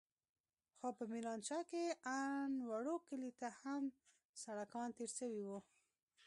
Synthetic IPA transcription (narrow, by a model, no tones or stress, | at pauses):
xopəmilɑnʃɑkeanwaɽokəlit̪aham | saɽakɑnt̪eɾʃəwiwu